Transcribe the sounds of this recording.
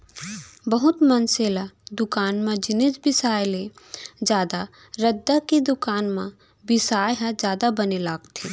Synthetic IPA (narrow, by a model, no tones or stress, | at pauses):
bəɦʊt̪mənseːlad̪ʊkaːnmãd͡ʒɪned͡ʒbɪsaːjled͡ʒjaːd̪a | ɾɐd̪ːakid̪ʊkaːnmã | bɪsaːjɦãd͡ʒjaːd̪abɐnelaːɡt̪ʰi